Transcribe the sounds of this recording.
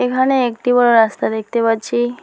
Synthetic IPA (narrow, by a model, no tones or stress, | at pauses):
ekʰaneekʈibəɽoɾast̪aɾek̚ʰt̪ebəɾt͡ʃʰi